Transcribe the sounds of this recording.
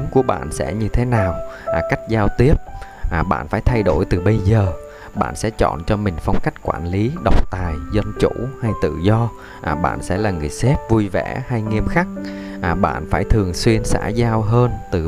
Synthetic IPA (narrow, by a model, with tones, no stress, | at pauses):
mku˧˩əɓa̰ː˧˨nsɛ̰˧˥ɲɨ˧t̪ʰe˨˦naː˨˩wka˦˥jk̟̚zaː˧wt̪i˦˥əp̚ʔɓa̰ː˧˨nfaː˧˩jt̪ʰa˧jɗo˧˩jt̪ɨ˨˩ɓə˧jzəː˨˩ | ɓa̰ː˧˨nsɛ̰˧˥t͡ɕɔ̰˧˨nt͡ɕɔ˧mï˨˩ŋ̟fa˧wŋ͡mka˦˥jk̟̚kwa̰ː˧˩nli˨˦ɗə˨˩wk͡p̚t̪aː˨˩jzə˧nt͡ɕṵ˧˩˥ha˧jt̪ɨ̰˧˨zɔ˧ | ʔɓa̰ː˧˨nsɛ̰˧˥laː˨˩ŋɨ˨˩əjsɛ˦˥p̚vu˧jvɛ̰˧˩˥ha˧jŋi˧əmxa˦˥k̚ | ʔɓa̰ː˧˨nfaː˧˩jt̪ʰɨ˨˩əŋswi˧ənsa̰ː˧˥zaː˧wɦəː˧nt̪ɨ˨˩